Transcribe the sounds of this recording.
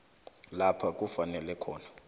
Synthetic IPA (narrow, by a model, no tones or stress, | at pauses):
lapʰak̬ʼufanɛlɛkʰɔːna